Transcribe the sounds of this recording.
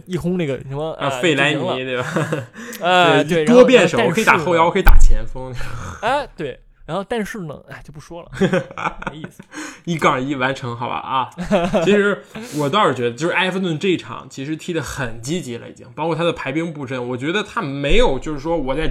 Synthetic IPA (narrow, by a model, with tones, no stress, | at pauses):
i˥˩xʰʊ˥ŋne˥˩ɡə˩ə˧˥mə˧fe˥˩ɪla˧˥ɪni˧˥t̪we˥˩ɪba˨˩ | e˧˩˧o˥˩˧t̪wɔ˥pjɛ˥˩nʂə˧˥wɔ˨˩kʰt̪a˨˧˩xʊjwɔ˨˩kʰt̪a̰˨˩t͡ɕʰjɛ˧˥nfɤ˥ŋ˧˩˥t̪we˥˩ɪ | ɻa˧˥nxo˥˧ʊt̪a˥˧nʂɻ̩˥˩nə̰˩a˧˩t͡ɕjo˥˧ʊpu˥˩ʂwɔ˥lə̰˨˧ | i˥˩kɑ˥˩i˧˥˩wa˧˥nʈ͡ʂʰɤ˧˥ŋxɑ˨˩ʊba̰˩ɐ˧i˧˥ʂɻ̩˧˥wɔ˨˩t̪ɑ˥ʊʂɻ̩˨˩t͡ɕɥɛ˧˥ə˧jo˥˧ʂɻ̩˥˧ʔa˥ɪfə˧t̪wə˥˧nʈ͡ʂe˥˩i˧˩ʈ͡ʂʰɑ̰˨˩˦ŋt͡ɕʰi˧˥ʂɻ̩˧˥t̪ʰi˧˥d̪ə˨xə˨˩nt͡ɕi˥t͡ɕi˧˥la̰˧˥ḭ˧˩t͡ɕjɑ̰˥˩ŋpɑ˥kʰwɔ˥˩a˥də˨pʰa˧˥ɪpi˥ŋpu˥˧˩ʈ͡ʂə˥˩nwɔ˨˩t͡ɕɥɛ˧˥d̪ə˧t̪ʰa˥me˧˥ɪjo˨˩ʊt͡ɕjo˥˧ʊʂɻ̩˥˩ʂwɔ˥wɔ˨˩t͡sa˥˩ɪ